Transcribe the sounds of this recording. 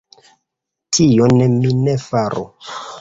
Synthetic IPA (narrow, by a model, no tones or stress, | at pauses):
tʰioneminefaɾʔo̰